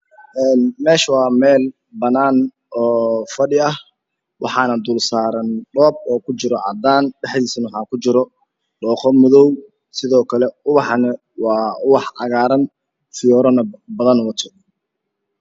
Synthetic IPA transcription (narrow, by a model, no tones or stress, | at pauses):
ʔɛːnmɛːʃɐwɑːmɛːl | bɐnaːn | ɔːfɐɖɪɐh | wʔɑħɑːnɐd̪ʊːlsaːɾɐnɖɔːb̚ɔːkʰʊt͡ʃɪɾɔʕɑ̰d̪aːnɖɛħd̪iːsɐnwħɑːkʰʊt͡ʃɪɾɔ | ɖɔːqɔmʊðɔw | sɪðɔːkʰɐlɛʊβɑħɑnɐ | wɑːʊwɑħʕɑ̰ɣaːɾɐn | fɪjɔːɾɔnɐbɐðɐnwɐt̪ʰɔ̥